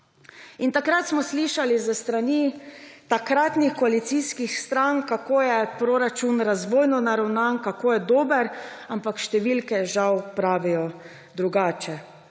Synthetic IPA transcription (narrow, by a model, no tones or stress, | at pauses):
int̪akɾat̪smɔsliʃalizəst̪ɾanit̪akɾaːt̪nixkɔalit̪siːskixst̪ɾaŋkakoːjɛpɾoɾat͡ʃunɾazʋoːjnɔnaɾawnankakoːjɛd̪oːbəɾampakʃt̪ɛʋilkɛʒawpɾaːʋijɔ | d̪ɾuɡaːt͡ʃɛ